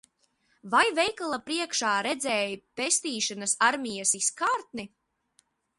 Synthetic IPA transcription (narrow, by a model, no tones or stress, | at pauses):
vajvɛjkalˠapɾiɛkʃaːɾɛd̪zɛːjpest̪iːʃanasaɾmijasiskaːɾt̪̚ni